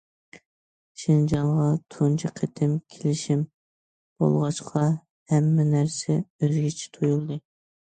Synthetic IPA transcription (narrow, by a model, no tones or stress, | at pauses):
ʃind͡ʒɑŋʁɑt̪ʰunt͡ʃʰiqʰet̪ʰɪmkʲʰelɪʃim | b̥o̰lˠʁɑʃqʰɑ | hɛmːɛnæɾsɛøzɡʲit͡ʃʰi̥t̪ʰujulˠd̪ɨ